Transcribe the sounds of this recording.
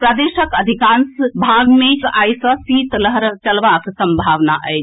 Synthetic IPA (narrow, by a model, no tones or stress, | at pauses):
pɾad̪eːʃəkɐd̪ʱikãːnsbʱaːɡmẽaːjsɔsiːt̪ləɦɾt͡ʃɐlʋaːksɐ̃mbʱaːʋnaʔəe